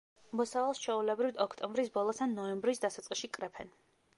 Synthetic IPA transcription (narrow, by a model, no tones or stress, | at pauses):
mɔsavalˠst͡ʃʰɛulɛbɾivt̪ɔkʰt̪ʼɔmbɾisbɔlˠɔsanːɔɛmbɾisd̪asat̪sʼqʼiʃikʼɾɛpʰɛn